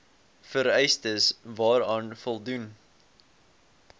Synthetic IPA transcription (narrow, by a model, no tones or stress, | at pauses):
fəɾɛjstəsvɑːɾɑːnfɔlˠdun